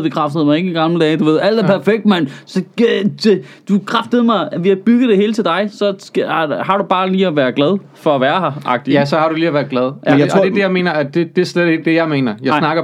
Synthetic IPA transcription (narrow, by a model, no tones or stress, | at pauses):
b̥ekʰʁɑfd̥əð̩ˠmɑ̈ɪe̝ɡ̥əiɡ̥ɑ̈ml̩əd̥ɛːd̥uʋe̝ðˠæl̰d̥æɐpʰæɐfeɡ̥̚d̥mæn̰sɒ̥̽e | d̥ukʰʁafd̥əð̩ˠmɑ̈ɪʋe̝jɑɪb̥yɡ̥ð̩ˠd̥e̝he̝ːlt͡sʰe̝ld̥ɑ̈ɪsɒ̽shɑ̈ɾub̥ɑ̈ːliːæʋæːɐɡ̥lɛð̞ˠ | fɒ̽æʋæːɐɦɑ̈ʔɑ̈ɡ̥̚d̥ijæsɒ̽hɑ̈ɾ̥uliːæʋæːɐɡ̥lɛð̞ˠed̥ejaɪme̝̰ːnɐæd̥ed̥e̝sleɛðˠeɡ̥̚d̥ejɑ̈ɪme̝̰ːnɐjɑɪnɑ̈ɡ̥ɐ